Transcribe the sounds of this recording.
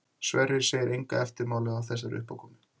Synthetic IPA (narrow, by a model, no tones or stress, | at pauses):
svɛrːɪɾ̥seːjɪɾʔejŋkaɛft̪ɪɾmaːwlɪðawθɛs̬ːaɾʏ̰hpawkʰɔmɪ